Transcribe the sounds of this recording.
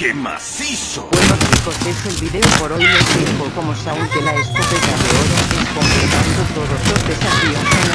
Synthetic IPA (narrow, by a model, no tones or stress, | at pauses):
kema̰sisowenostiko̞se̞se̞lβiðeopoɾo̞jlelt̪jempoko̞mosauŋkelaest̪ɾot̪ekaðeoɾaʔesko̞mplet̪ãnd̪ot̪o̞ðo̞zlo̞zðe̞safio